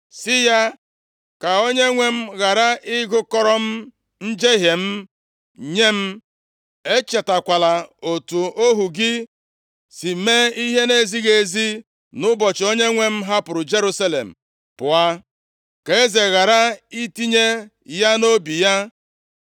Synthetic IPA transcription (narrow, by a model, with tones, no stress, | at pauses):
sɪ˦ja˦ | ka˨o˦ɲe˦ŋʷe˦m̩˦ɣa˨ɾa˦ɪ˦ɡʊ˦kɔ˦ɾɔ˦m̩˦ | n̩˦d͡ʒe˦ɦe˨m̩˦ | ɲe˦m̩˦ | e˦t͡ʃe˨ta˨kʷa˨la˨o˨tu˨o˦ɦu˨ɡɪ˦ | si˨me˦i˦ɦe˦ne˦zi˦ɣe˨zi˦ | nʊ˦bɔ˨t͡ʃɪ˨o˦ɲe˦ŋʷe˦m̩˦ɦa˦pʊ˨ɾʊ˨d͡ʒe˦ɾu˦sa˦lḛ˨m̩˨ | pʊ˨a˦ | ke˨e˦ze˨ɣa˨ɾa˦i˦ti˦ɲe˦ | ja˦no˦bi˨ja˦